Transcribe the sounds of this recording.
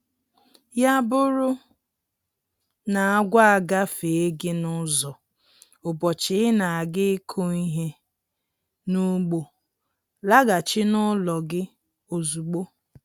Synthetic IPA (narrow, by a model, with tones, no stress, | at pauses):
ja˦bʊ˦ɾʊ˦ | na˨a˦ɡʷa˦a˨ɡa˦fe˨e˦ɡɪ˦nʊ˦zɔ˨ | ʊ˨bɔ˨t͡ʃɪ˨˦ɪ˦na˨a˨ɡɪ˦kʰo˦i˦ɦe˦ | nu˦ɡ͡bo˨ | la˦ɡa˨t͡ʃɪ˦nʊ˦lɔ˨ɡɪ˦ | o˨zu˨k͡po˦